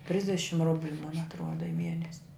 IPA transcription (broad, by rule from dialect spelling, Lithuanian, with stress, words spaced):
ˈtʲrʲɪzʲdʲɛʃʲɪm ˈrʊbʲlʲʊ moːn ɐtˈruɔdɐ ɪ ˈmʲiɛnʲɛsʲ